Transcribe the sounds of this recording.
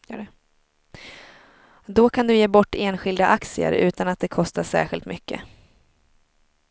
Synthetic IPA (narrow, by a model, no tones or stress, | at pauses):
d̪ɔkʰand̪ɵjeːbɔʈːeːnɧɪld̪aʔaksɪə̰ɾʉ̟ːt̪anat̪̚d̪ɛkʰɔst̪aʂæ̰ːɾɧɪlt̪mʏkːə̰